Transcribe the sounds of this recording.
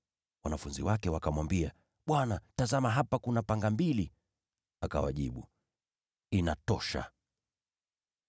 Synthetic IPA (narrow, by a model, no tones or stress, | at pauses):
wanafunzḭwakɛwakamwambia | ɓwanatazamaɦapakunapaŋɡambili | aka̰wa̰ʄiɓu | inatɔʃa̰